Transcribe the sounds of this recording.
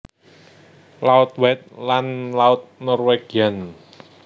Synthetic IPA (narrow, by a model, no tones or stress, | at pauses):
laʊt̪̚wɛt̪̚lanlaʊt̪̚nɔrweɡ̥ian